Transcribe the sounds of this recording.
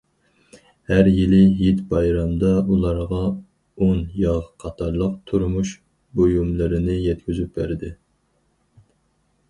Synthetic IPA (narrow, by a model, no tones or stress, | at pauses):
hæɾjilɪjit̪bɑjɾɑmd̪ɑulˠɑɾʁɑ | onjɑʁqʰɑt̪ʰɑɾlˠəqt̪ʰuɾmuʃ | bojumlˠɨɾɪnɪjɛt̪̚kʲyzyp̚bæɾd̪ɪ